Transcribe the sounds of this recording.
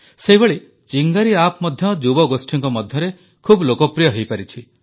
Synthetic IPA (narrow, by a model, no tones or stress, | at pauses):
seɦibeɭi | t͡ʃiŋɡaɾiapmɔd̪ʱjɔd͡ʒubɔɡosʈʰiŋkɔmɔd̪ʱjɔɾe | kʰublokɔpɾijɔɦejpaɾit͡ʃʰi